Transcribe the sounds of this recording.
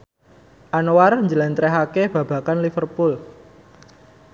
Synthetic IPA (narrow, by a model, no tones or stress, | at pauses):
ʔanwarɲd͡ʒəlɛnt̪ɾɛɦakeb̥a̤b̥a̤kanlifərpul